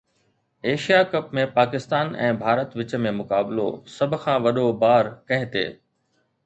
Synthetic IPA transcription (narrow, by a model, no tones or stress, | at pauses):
eːʃijakɐpmẽpaːkɪst̪aːnɛ̃ːbʱaːɾət̪ʋɪt͡ɕəmẽmʊkaːblo̰sɐbʱʊ̆kʰãːʋɐɗobaːɾkɐ̃ɦɪ̃t̪ḛː